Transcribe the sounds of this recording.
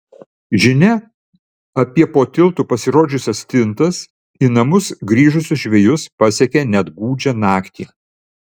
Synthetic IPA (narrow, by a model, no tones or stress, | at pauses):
ʒʲɪnʲɛ | ɐpʲiɛpoːt̪ʲɪlˠt̪uːpɐsʲɪɾoːd͡ʒʲʊsʲɛst̪ʲɪnt̪ɐs | inɐmʊsɡɾʲiːʒʊsʲʊʃʲʋʲɛjʊspɐsʲɛkʲɛnʲɛd̪ɡuːd͡ʒʲɛnɑːkt̪ʲḭ